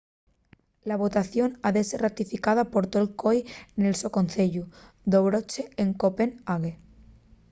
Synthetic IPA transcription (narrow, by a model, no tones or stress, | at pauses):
laβ̞o̞t̪aθjo̞naðe̞serat̪ifikað̞apo̞ɾt̪olkojnelsokonθeʎu | d̪oβɾot͡ʃeeŋkopenaɣe